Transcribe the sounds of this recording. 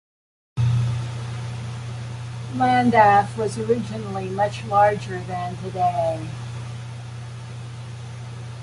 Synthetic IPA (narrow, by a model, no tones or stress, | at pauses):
læ̃ndæfwʌzə˞ɪd͡ʒɨnl̩ˠimʌt͡ʃlɑɹd͡ʒə˞ðɨ̃ntʰɨdeɪ